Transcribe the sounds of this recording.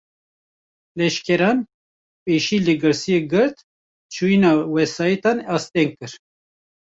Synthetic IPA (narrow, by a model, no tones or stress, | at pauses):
lɛʃkɛɾɑːn | peʃiːlɨɡɨɾsijeɡɨɾt̪ | t͡ʃʰuinɑːwɛsɑːjit̪ɑnɑst̪ɛŋ̚kɨɾ